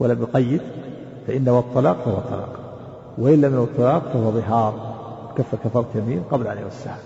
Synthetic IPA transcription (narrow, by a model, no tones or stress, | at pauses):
walamjʊqɑjːɪd̪ | faʔɪnːawɑt̪ˤːɑlɑːqfahʊwɑt̪ˤːɑ̰lɑ̰ːq | waʔɪlːamɪnt̪ˤːɑlɑːqfahʊwaðˤɨɦɑːɾˤɪt̪kafːɑɾˤkafɑɾˤɑt̪jamiːmqɑblaʔa̰nja̰wɪsːa̰ha